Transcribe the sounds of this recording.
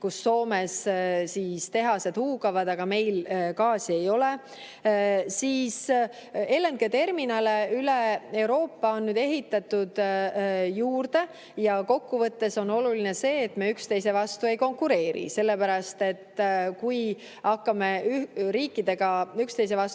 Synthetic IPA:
kusːo̞ːme̞ssiːst̪e̞ɦɑse̞d̪huːɡɑvɑd̪̥ɑɡ̥ɑme̞jlkɑːsie̞jo̞le | siːs | e̞ːlenɡ̥et̪e̞rminɑleyle̞e̞wɾo̞ːpːɑo̞nːyːd̪e̞ɦit̪ːˑɑt̪ud̪̥ | juːrd̪̥e̞ | jɑko̞kːuvɤt̪ːe̞so̞no̞lulinese̞ːt̪ːme̞ːykst̪e̞js̬e̞vɑst̪ue̞jko̞ŋkːˑuɾe̞ːɾḭse̞lːe̞pæɾɑst̪e̞t̪ːkuj | ɑkːɑmeɾiːkˑːid̪̥e̞ɡ̥ɑykst̪e̞js̬e̞vɑs

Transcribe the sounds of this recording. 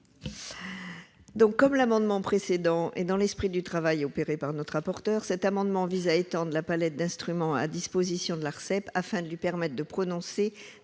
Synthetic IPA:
d̪ɔ̃kːɔmlamɑ̃d̪mɑ̃pχesed̪ɑ̃ʔḛd̪ɑ̃lɛspχid̪yt̪χavajopeʁepaʁnɔt̪ʁ̥apɔʁt̪œʁsɛt̪amɑ̃d̪mɑ̃vizaet̪ɑ̃d̪ʁəlapalɛt̪̚d̪ɛ̃st̪χymɑ̃a̰d̪ispozisjɔ̃d̪əlaʁsɛpafɛ̃d̪əlɥipɛʁmɛt̪̚χd̪əpχɔnɔ̃se

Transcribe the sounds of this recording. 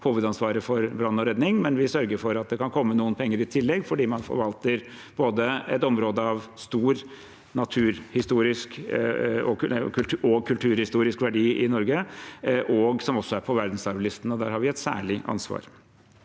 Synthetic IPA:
huːʋəd̪ɑnsʋɑːɾəfɔɾbɾɑnːɔɾɛd̪nɪŋmɛnʋɪsœɾɡəɾfɔɾɑt̪̚d̪ɛkʰɑnkʰɔmːənuːənpʰɛŋːəɾɪt̪ʰɪlːɛɡfɔɖiːmɑnfɔ̰ɾʋɑlt̪əɾ | b̥oːd̪əɛ̰t̪ɔmɾoːd̪əɑʋst̪uːɾ | nɑt̪ʰʉːɾhɪst̪uːɾɪsk | ɔkkʰʉɔɡkʰʉlt̪ʰʉːɾhɪst̪uːɾɪskʋæɖiːɪnɔɾɡəʔɔɡsɔmɔsːɔæɾpʰɔʋæɾd̪n̩sɑɾʋlɪst̪ən̩ɔd̪æːɾhɑɾʋɪɛt̪sæ̰ːɭɪʔɑ̰nsʋɑ̰ːɾ

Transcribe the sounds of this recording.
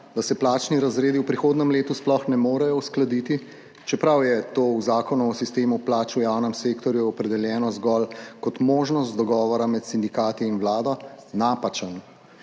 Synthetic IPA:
d̪asɛplaːt͡ʃniɾazɾeːd̪iwpɾixoːd̪nɛmleːt̪usplɔxnɛmoːɾɛjɔusklad̪it̪i | t͡ʃɛpɾawjɛt̪oːuzaːkɔnuɔsist̪eːmuplaːt͡ʃujawnɛmseːkt̪ɔɾjuɔpɾɛd̪ɛljɛːnɔzɡɔlkɔt̪moːʒnɔst̪d̪ɔɡɔːʋɔɾamɛt̪sind̪ikaːt̪iːnwlaːd̪ɔ | naːpat͡ʃən

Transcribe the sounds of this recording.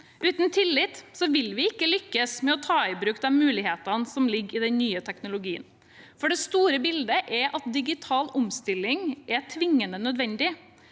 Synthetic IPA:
ʔʉːt̪nt̪ʰɪlːɪt̪sɔʋɪlʋɪɪkːəlʏkːəsmɛɔt̪ʰɑːɪbɾʉːk̚d̪ɛnmʉːlɪheːt̪ɑnsɔmlɪɡɪːd̪ɛnnyːət̪ʰɛknʊlʊɡiːə̰n | fɔɖɛst̪uːɾəbɪld̪əʔɛɾʔɑt̪̚d̪ɪɡɪt̪ʰɑːlʊmst̪ɪlːɪŋɛt̪ʰʋɪŋːənənœd̪ʋɛnd̪ɪ

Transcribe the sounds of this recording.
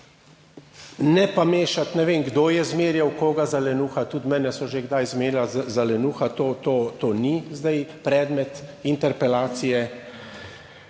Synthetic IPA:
nɛpameːʃat̪nɛʋeːmɡd̪oːjɛzmeːɾjawkoːɡazalɛnuːxat̪ut̪mɛːnɛsɔʒeɡd̪ajzmeːɾjazalɛnuːxat̪oːt̪oːt̪onizd̪ajpɾɛːd̪mɛt̪int̪ɛɾpɛlaːt̪sijɛ

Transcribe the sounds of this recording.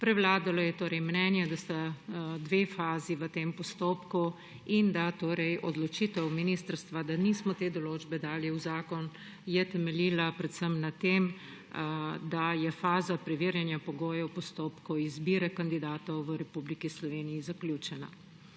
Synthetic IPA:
pɾɛwlaːd̪alɔjɛt̪oːɾɛjmnɛnjɛd̪ast̪ad̪ʋeːfaːziʋət̪eːmpɔst̪oːpku | ind̪at̪oːɾɛjɔd̪lɔt͡ʃit̪ɛwminiːst̪əɾst̪ʋad̪anismɔt̪eːd̪ɔloːd͡ʒbɛd̪aːljɛwzaːkɔn | jɛt̪ɛmɛliːlapɾɛt̪səmnat̪em | d̪ajɛfaːzapɾɛʋiɾjanjapɔɡoːjɛwpɔst̪oːpkɔizbiːɾɛkand̪id̪aːt̪ɔwʋəɾɛpublikislɔʋeːnijizaklʲjut͡ʃɛna̰

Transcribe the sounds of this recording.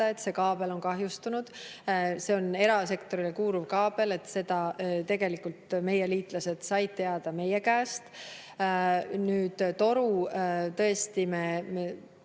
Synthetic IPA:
ɑe̞t̪ˑse̞kɑːb̥e̞lo̞nkɑɦjust̪unud̪̥se̞o̞ne̞ɾɑse̞kt̪o̞ɾilekuːɾuvkɑːb̥e̞le̞t̪ːse̞d̪̥ɑt̪e̞ɡ̥e̞likult̪me̞jeliːt̪ˑlɑse̞d̪̥sɑjd̪̥̚t̪e̞ɑd̪̥ɑme̞jekæːst̪ | nyːd̪̥t̪o̞ɾut̪ɤ̞est̪imeme

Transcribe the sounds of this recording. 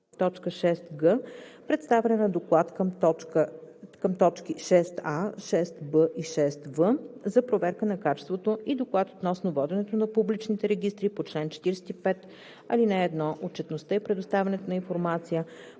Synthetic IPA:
t̪ɔt͡ʃkəʃɛst̪ɡəpɾɛt̪st̪avɛnɛnɐd̪oklˠat̪kəmt̪ɔkəkəmt̪ɔt͡ʃkiʃɛst̪aʃɛst̪bəʔiʃɛst̪vəzɐpɾovɛɾkənɐkat͡ʃɛ̥st̪vot̪oid̪oklˠat̪ot̪nɔsnovɔd̪ɛnɛt̪onɐpublit͡ʃnit̪ɛɾɛɡ̟ist̪ɾipot͡ʃlɛnt͡ʃɛ̥t̪iɾɛsɛ̥t̪ipɛt̪ | ɐlinɛːd̪nɔʔot̪̚t͡ʃɛt̪nost̪əipɾɛd̪ʊst̪avʲɛnɛt̪onɐinfoɾmat̪sijə

